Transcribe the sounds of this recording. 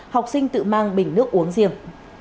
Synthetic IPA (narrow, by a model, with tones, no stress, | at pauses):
ha˨˩wk͡p̚sï˧ŋ̟t̪ɨ̰˧˨maː˧ŋɓï˧˩ŋ̟nɨ˦˥ək̚ʔu˨˦əŋzi˧˩əm